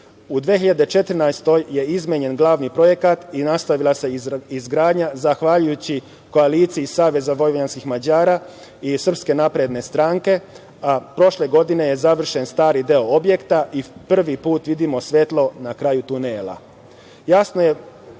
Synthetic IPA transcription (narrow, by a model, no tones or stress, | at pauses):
ud̪ʋeçiʎad̪e̞t͡ʃet̪r̩najst̪o̞jje̞izmeɲe̞nɡlˠaːʋnipɾo̞je̞kat̪inast̪aʋilˠase̞izɡɾaːd̪ɲazaxʋaʎujut͡ɕi | ko̞aliːt̪siisaːʋe̞zaʋo̞jʋɲanskixmad͡ʑaːɾaː | isr̩pske̞napɾed̪ne̞st̪ɾaːŋke̞ | apɾo̞ʃle̞ɡo̞d̪ine̞je̞zaʋr̩ʃe̞nst̪aːɾid̪eo̞obje̞kt̪aʔipr̩ʋipuːt̪ʋid̪imo̞sʋe̞t̪lˠo̞nakɾaːjut̪uneːlˠa̰ | jasnoje̞